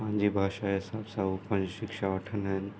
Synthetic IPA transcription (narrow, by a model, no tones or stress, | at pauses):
ãːnd͡ʒibʱaːʃaɦɪsaːbsaupə̃nd͡ʒʃɪkʃaʋəʈʰənɦɛ